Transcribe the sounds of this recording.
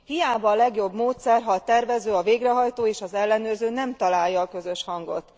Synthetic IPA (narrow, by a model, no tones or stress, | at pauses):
hijaːbɒːlɛɡjo̞bmoːt̪sɛrɦɒːt̪ɛrvɛzøːɒveːɡrɛɦɒjt̪oːeːʃɒzɛlːɛnøːrzøːnɛmt̪ɒlaːjjːɒːkø̞zø̞ʃhɒŋɡo̞̰t̪